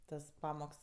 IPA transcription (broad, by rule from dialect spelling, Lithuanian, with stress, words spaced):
ˈtɐs ˈpɑːmoːks